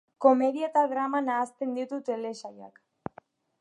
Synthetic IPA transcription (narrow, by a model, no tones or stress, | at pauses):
ko̞me̞ðiet̪aɣɾamanaːst̪e̞nd̪it̪ut̪e̞le̞saja̰k